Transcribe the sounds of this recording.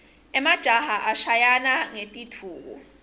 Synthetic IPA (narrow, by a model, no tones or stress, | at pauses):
ɛmad̥ʒ̥ʱahaʔaʃajanaŋetʼitʰuːk̬ɔ̰